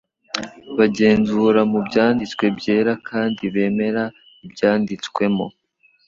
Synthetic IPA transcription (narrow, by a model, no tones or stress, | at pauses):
βaɟe̞ːnzuɾamubɟaːndit͡skwe̞bɟe̞ːɾakʰaːndiβe̞ːme̞ɾa | ibɟaːndit͡skwe̞mo̞̰